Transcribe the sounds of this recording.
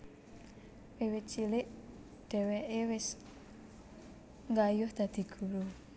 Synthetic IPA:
wewɪt͡ʃilɪʔ | ɖ̪̥ɛ̤wɛʔewɪs | ŋɡajʊhd̪̥a̤d̪̥i̤ɡ̥ṳɾu

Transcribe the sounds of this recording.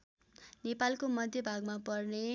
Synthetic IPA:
nepalkomʌd̪ʱjʌbʱaɡmapʌrne

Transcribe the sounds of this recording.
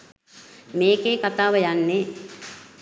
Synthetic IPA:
meːkeːkat̪aːʋəjanːe

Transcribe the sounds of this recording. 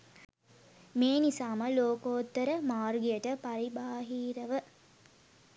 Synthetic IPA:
meːnisaːməloːkoːt̪ːəɾəmaːrɡijəʈəpaɾibaːɦiːɾəʋə

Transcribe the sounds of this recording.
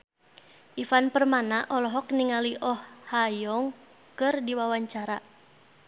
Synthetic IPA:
ʔifanpərmanaʔɔlɔɦɔk̚niŋaliʔɔhːajɔŋ | kɨrdiwawaɲt͡ʃaɾa

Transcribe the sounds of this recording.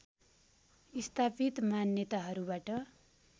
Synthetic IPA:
ist̪ʰapit̪manjʌt̪aɦʌɾubaʈʌ

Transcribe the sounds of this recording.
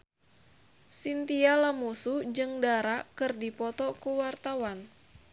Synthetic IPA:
sint̪ialamusud͡ʒɨŋdaɾakɨrdipɔt̪ɔkuwart̪awan

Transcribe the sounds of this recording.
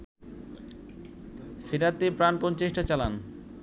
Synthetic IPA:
fiɾat̪ːepɾanpont͡ɕeʃʈat͡ɕalan

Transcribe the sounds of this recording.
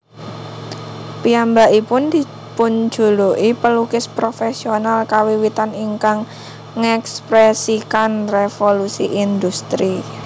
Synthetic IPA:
piambaʔipʊnd̪̥i | pʊn̥d͡ʒ̥ṳloʔipəlukɪspɾofesionalkawiwit̪aniŋkaŋː | ɛkspɾɛsikanrefolusiʔind̪ust̪ɾi

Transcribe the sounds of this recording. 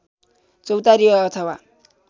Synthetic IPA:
t͡sʌwt̪aɾijʌːt̪ʰʌwa

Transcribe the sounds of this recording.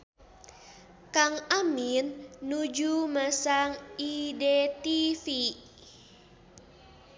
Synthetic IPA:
kaŋaminːud͡ʒumasaŋidet̪ifi

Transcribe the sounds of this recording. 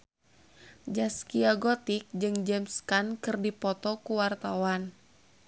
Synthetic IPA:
d͡ʒaskiaɡɔt̪ik̚d͡ʒɨŋd͡ʒɛmskankɨrdipɔt̪ɔkuwart̪awan

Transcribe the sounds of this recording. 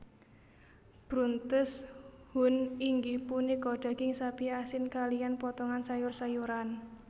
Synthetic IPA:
b̥ɾunt̪ʊshʊniŋɡipunikɔɖ̥a̤ɡ̥ɪŋsapiasɪnkalijanpɔt̪ɔŋansajʊrsajuɾan

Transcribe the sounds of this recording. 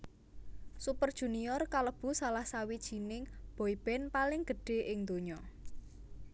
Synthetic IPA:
supərd̥ʒ̥ṳnijɔrkaləb̥ṳsalahsawid̥ʒ̥i̤nɪŋb̥ɔib̥ɛnpalɪŋɡ̥ə̤ɖ̥e̤ʔɪŋd̪oɲɔ

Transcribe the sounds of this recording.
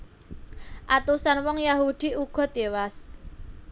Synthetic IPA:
ʔat̪usanwɔŋjaɦud̪̥i̤uɡ̥ɔ̤d̪̥ewas

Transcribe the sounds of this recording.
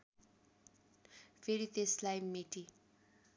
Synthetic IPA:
feɾit̪eslajmeʈi

